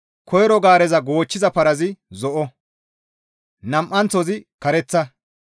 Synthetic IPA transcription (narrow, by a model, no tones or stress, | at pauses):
kʰɔjɛɾɔɡaːɾɛzɐɡo̞ːt͡ʃːɪzɐpɐɾɐzɪzɔʔɔ | nɐmʔɐnt͡sɔzɪkɐɾɛt͡sːɐ